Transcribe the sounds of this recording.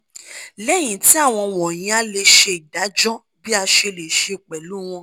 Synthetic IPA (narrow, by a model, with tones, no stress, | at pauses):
lɛ˦˨j̃ĩ˨ti˨˦a˦˨w̃ɔ̃˧wɔ˨j̃ĩ˨˦a˦le˧ʃe˧i˨da˨˦d͡ʒɔ˦ | bi˦a˧ʃe˧le˨ʃe˧˨k͡pɛ˨lu˨˦w̃ɔ̃˧